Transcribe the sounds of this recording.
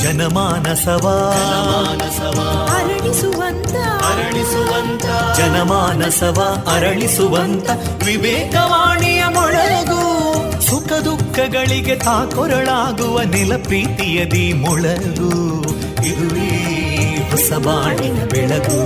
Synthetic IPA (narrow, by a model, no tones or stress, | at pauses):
d͡ʒɐnɐmaːnɐsɐʋɐɐaːnɐsɐʋɐɐɾɐɭisʋɐnt̪ɐɐɾɐɭisuʋɐnt̪ɐd͡ʒɐnɐmaːnɐsɐʋɐɐɾɐɭisuʋɐnt̪ɐ | ʋibɛːkɐʋaːɳijɐmɔɭɐɐɡu | sukʰɐd̪ukʰːɐɡɐɭiɡet̪aːkɔɾɐɭaːɡuʋɐnilɐpɾiːt̪ijɐd̪imɔɭɐɡu | iɽulɭii | ɦɔsɐʋaːɳiɐbɛɭɐɡu